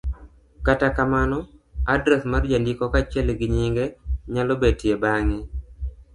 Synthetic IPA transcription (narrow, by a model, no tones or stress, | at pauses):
katakamanɔadɾɛsmard͡ʒandikɔkat͡ʃɛlɡɪɲiŋɡeɲalɔbed̚tjebaŋɛ